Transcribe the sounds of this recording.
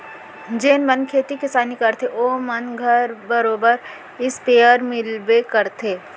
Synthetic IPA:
d͡ʒeːnmɐnkʰeːt̪ikɪsaːnikɐɾt̪ʰeʔoːmɐnɡʱəɾbəɾoːbəɾ | ɪspeːəɾmɪlbekɐɾt̪ʰeː

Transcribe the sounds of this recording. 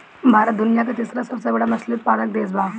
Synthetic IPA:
bʱaɾət̪d̪unijak̬et̪isɾasəbsəbɽamɐslit̪̚palək̚d̪eːd͡zbʱa

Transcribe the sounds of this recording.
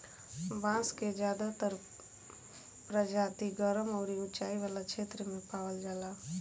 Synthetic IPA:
bãːsked͡ʒjaːd̪at̪əɾ | pɾəd͡ʒaːt̪iɡəɾəmɔːɾiʊt͡ʃaːiʋaːlakʃʰeːt̪ɾəmẽpaːwəld͡ʒaːlaː

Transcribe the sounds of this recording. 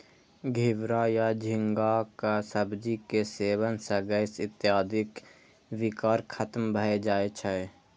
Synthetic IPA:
ɡʱɪʋɾajad͡ʒʱɪŋɡakasəbd͡ʒikeseːwənsəɡəɪsɪt̪jaːd̪ɪk | wɪkaːɾkʰət̪mbʱəed͡ʒaːet͡ʃʰəe

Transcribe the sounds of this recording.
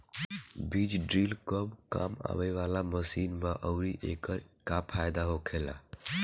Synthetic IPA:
bid͡ʒɖɾiːlkɔbka̰ma̰ʋeʋalaməsinbaʔəʊɾiʔḛkəɾkapʰajd̪aɦokʰela̰

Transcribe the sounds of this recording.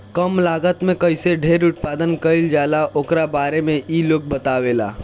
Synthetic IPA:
kəmlaːɡət̪mẽkɐɪseɖʱeːɾʊt̪̚paːd̪ənkəɪld͡ʒaːlaʔoːkɾabaːɾemẽʔiːloːk̚bət̪aːʋeːla̰ː

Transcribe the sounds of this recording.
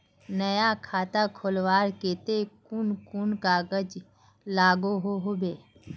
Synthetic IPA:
nəjakʰaːt̪akʰolwaːɾkeːt̪ekunkunkaːɡəd͡ʒ | laːɡoɦoɦoːbeː

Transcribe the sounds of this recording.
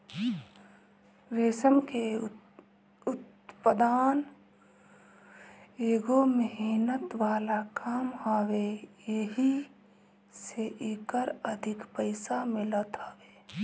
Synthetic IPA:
ɾeːsəmke | ʊt̪ | pəd̪aːn | eːɡoməɦiːnət̪ʋaːlakaːmɦɔwejeɦi | seʔeːkəɾəd̪ʱɪkpəɪsamɪlət̪ɦɔweː

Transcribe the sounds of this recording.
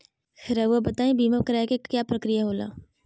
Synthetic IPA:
xʰɪɾaʋabət̪aːẽbiːmakɾakekkːjaːpɾəkɾɪjaɦoːla̰ː

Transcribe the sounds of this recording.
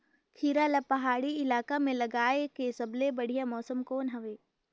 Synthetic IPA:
kʰiːɾalapɐɦaːɽiɪlaːkamẽlɐɡaːekesɐblebɐɽ̤ijamɔːsəmkoːnɦɐʋeː

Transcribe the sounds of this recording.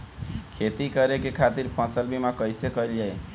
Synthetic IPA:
kʰet̪ikəɾekekʰat̪iɾpʰə̃səlbʱimakəjsekʌild͡ʒaj

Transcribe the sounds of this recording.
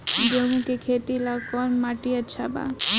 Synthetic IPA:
d͡ʒomũkekʰet̪ilakɔnmaʈiəːʃʰaba̰

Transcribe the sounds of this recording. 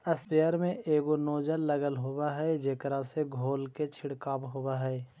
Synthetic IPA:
əspeəɾmẽeːɡonoːd͡ʒəlːəɡəlɦowaɦɛːd͡ʒeːkɾaseɡʱoːlket͡ʃʰɪɽkaːbɦoːaɦɛː

